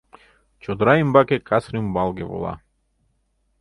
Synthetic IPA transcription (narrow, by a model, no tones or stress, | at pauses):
t͡ʃʰɔd̪ɾaimbakɛkasɾimbalˠɡɛvɔ̰lˠa̰